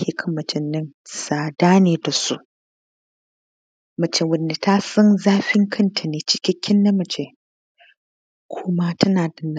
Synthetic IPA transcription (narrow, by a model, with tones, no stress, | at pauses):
he˨kʰɐ˦mːɐ˨t͡ʃɪ˨nːɪ˦nsaː˨daː˦neː˨da˨sṵ˦ | mɐ˨t͡ʃe˨wʊ˨nːi˨ta˦sɐ˦nzaː˦ɸɪ˦ŋkʰɐ˦ntʰa˨neː˨t͡ʃɪ̥˦kʲɪ˦kʲʰːɪ˦nːɐ˦mɐ˨t͡ʃe˨ | kʷʰo˦ma˦tɐ˦naː˨dɐ˨n˨